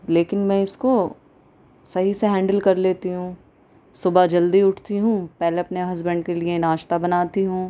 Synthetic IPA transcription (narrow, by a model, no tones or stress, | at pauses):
leːkɪnmɛ̃ɪsko | sɐɦiseɦɛ̃ːɳɖəlkɐɾleːt̪iɦũː | sʊbad͡ʒɐld̪iʊʈʰt̪iɦũpɛɦleɐpneɦɐzbɛ̃ɳɖkelienaːʃt̪abɐnaːt̪iɦũː